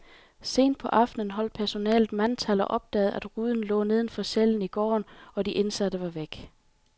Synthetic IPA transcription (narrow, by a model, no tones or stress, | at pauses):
se̝̰ːnd̥̚pʰɒ̽ʔɑ̈fd̥nən̩ɦɒ̽l̰d̥̚pʰæɐso̝nɛ̰ːlð̩ˠmænt͡sʰælɐʔɒ̽b̥̚d̥ɛ̰ːð̩ˠʔæd̥ʁuːðˠn̩lɔ̰̽ːne̝ð̞ˠn̩fɒ̽seln̩iɡ̥ɒ̰ːnɒ̽diʔe̝nsæɾ̥əʋɑ̈ʋeɡ̥